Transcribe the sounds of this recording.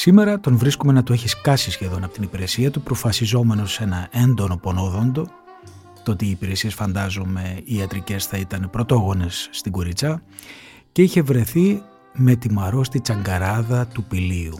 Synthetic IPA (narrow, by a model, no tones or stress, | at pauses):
sime̞ɾɐt̪onvɾiskome̞nɐt̪oe̞çiskɐsisçe̞ðo̞nɐpo̞t̪inipiɾe̞siɐt̪upɾo̞fɐsizo̞me̞no̞se̞nɐʔe̞nd̪o̞no̞po̞no̞ðo̞nd̪o̞ | t̪oot̪iːpiɾe̞siesfɐnd̪ɐzome̞iɐt̪ɾice̞sθɐit̪ɐnpɾo̞t̪o̞ɣo̞ne̞sːt̪iɡo̞ɾit͡sɐ | ce̞içe̞vɾe̞θi | me̞t̪imɐɾo̞st̪it͡sɐŋɡɐɾɐðɐt̪upiliu